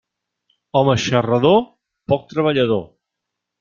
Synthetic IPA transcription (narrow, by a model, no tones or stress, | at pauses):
ɔməʃərəðo | pɔk̚t̪ɾəβ̞əʎəð̞o